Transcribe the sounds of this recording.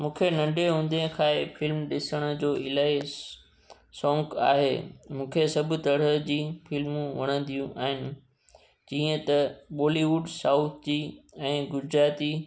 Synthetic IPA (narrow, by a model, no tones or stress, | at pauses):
mũːkʰenɐ̃ɳɖeɦũːn̆d̪ẽkʰaːefɪlmɗɪsəɽ̃ʊ̆d͡ʑoːɪlaːes | sɔ̃ːŋka̰ːɦḛːmũːkʰesɐbʱʊt̪ɐɽ̤əd͡ʑiːfɪlmũʋɐɽ̃ə̃nd̪ijũʔa̰ːɦɪnɪ̆ | d͡ʑiːə̃t̪ɐɓoːliʋʊɖsaːʊt̪ʰd͡ʑiːɛ̃ːɡʊɾd͡ʑɾaːt̪iː